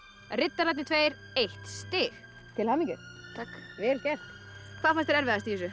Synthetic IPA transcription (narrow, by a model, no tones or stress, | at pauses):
rɪt̪ːaɾat̪nɪt̪ʰveːjɾ | ejht̪st̪ɪːx | t̪ʰɪlhaːmiŋcʏt̪ʰakvɛːlcɛr̥t̪ | kʰvaðfanst̪ɪɾɛɾvɪðast̪isʏ